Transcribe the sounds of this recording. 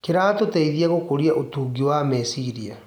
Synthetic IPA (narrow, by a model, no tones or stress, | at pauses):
keɾaːtotɛiðiaɣokoɾiaʔotuːɡiwamɛsiɾia